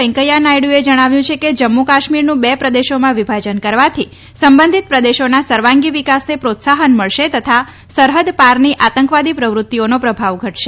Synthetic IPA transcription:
ɛŋkəjanajɽũed͡ʒəɽ̃aʋjũt͡ʃʰeked͡ʒəmːukaʃmiɾnũbɛpɾəd̪eʃomãʋibʱad͡ʒənkəɾʋat̪ʰi | səmbənd̪ʱit̪̚pɾəd̪eʃonasəɾʋãŋɡiʋikasnepɾot̪saɦənməɭʃet̪ət̪ʰa | səɾɦəd̪paɾniʔat̪əŋkʋad̪ipɾəʋɾʊt̪ːionopɾəbʱaʋɡʱəʈʃe

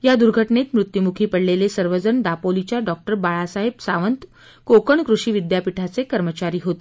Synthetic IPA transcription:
jad̪uɾɡʱəʈɳet̪mɾut̪jumukʰiːpəɽlelesəɾʋəd͡zəɳd̪apolit͡ɕjaɖɔk̚ʈəɾbaɭasaɦebsaʋənt̪ | kokəɳkɾuʂiːʋid̪japiʈʰat͡sekəɾmət͡ɕaɾiːɦot̪e̥

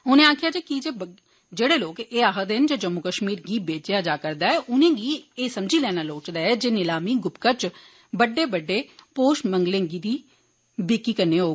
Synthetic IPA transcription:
ʊnẽːaːkʰɪjaːd͡ʒeːkid͡ʒeː | d͡ʒeːɽeːloːkeːaːɦəd̪end͡ʒeːd͡ʒəmːʊkəʃmiːɾɡiːbeːt͡ʃeaːd͡ʒaːkəɾd̪aːɛːʔʊnẽːɡiːeːsəmd͡ʒiːlɛːnaːloːt͡ʃd̪aːɛːd͡ʒeːnɪlaːmiːɡʊpkət͡ʃ | bəɖːeːbəɖːeːpoːʃməŋɡlẽŋɡiːd̪iː | beːkːiːkəɾneːɦoː

